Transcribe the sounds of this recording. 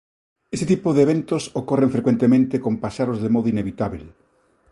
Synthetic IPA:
eset̪ipoðeβent̪osokoreɱfɾekwent̪emẽnt̪ekompaʃaɾozðemɔðʊineβit̪aβel

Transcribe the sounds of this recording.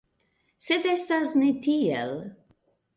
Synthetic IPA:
set̪est̪aznet̪iḛl

